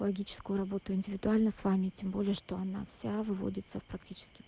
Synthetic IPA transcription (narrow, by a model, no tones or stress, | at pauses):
əlˠɐɡʲit͡ɕɪ̥skʊjʊɾɐbo̞t̪ʊɪnʲdʲɪvʲɪd̪ʊalʲnəsvamʲɪtʲembo̞lʲɪjəʂt̪o̞ɐna̰fsʲavɨvo̰dʲɪt̪səfpɾɐktʲit͡ɕɪ̥skʲɪ̥